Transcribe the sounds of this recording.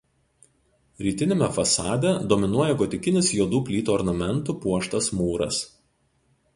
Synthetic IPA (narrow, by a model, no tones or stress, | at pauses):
ɾʲiːt̪ʲɪnʲemʲɛfɐsɑːd̪ʲɛd̪ɔːmʲɪnuɔjɛɡɔt̪ʲɪkʲɪnʲɪsjuɔd̪uːpʲlʲiːt̪uːɔɾnɐmʲɛnˑt̪uːˑpuɔʃt̪ɐsmuːɾɐ̰s